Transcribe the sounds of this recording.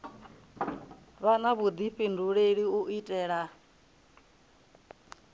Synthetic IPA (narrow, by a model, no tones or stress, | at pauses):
βanaβud̪iɸinduɺeɺiuʔitʼɛːɺa